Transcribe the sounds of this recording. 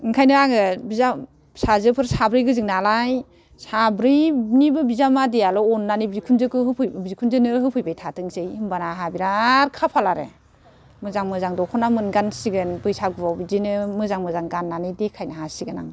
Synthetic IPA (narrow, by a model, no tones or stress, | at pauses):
ɯŋkʰajnɯaŋɯbiza | sazɯpʰɯɾsabɾɯjɡɯzɯŋnalaj | sabɾɯjnibɯbizamadialɔɔnːanibikʰunzɯkɯɦɯpʰɯbikʰunzɯnɯɦɯpʰɯjbajtʰatʰɯŋsɯjɯmbanaɦabiɾaɾkʰapʰalaɾḛ | mɯzaŋmɯzaŋdɔkʰɔnamɯnɡansiɡɯnbɯjsaɡɯbawbizinɯmɯzaŋmɯzaŋɡanːanɯjdekʰajnaɦasiɡɯna̰ŋ